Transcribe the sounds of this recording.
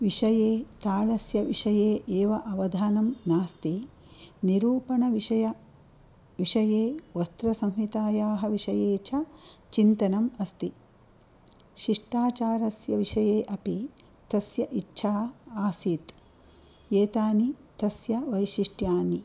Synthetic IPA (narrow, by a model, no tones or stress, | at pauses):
ʋiʂɐjeːt̪aːɭɐsjɐʋiʂɐjeːʔeːʋɐʔɐʋɐd̪ʱaːnɐmnaːst̪i | niɾuːpɐnɐʋiʂɐjɐ | ʋiʂɐjeːʋɐst̪ɾɐsɐ̃mɦit̪aːjaːɦɐʋiʂɐjeːt͡ʃʰɐt͡ʃint̪ɐnɐmɐst̪i | ʃiʂʈaːt͡ʃaːɾɐsjɐʋiʂɐjeːʔɐpi | t̪ɐsjɐʔitːʃʰaːaːsit̪ | eːt̪aːnit̪ɐsjɐʋɐjʃiʂʈjaːni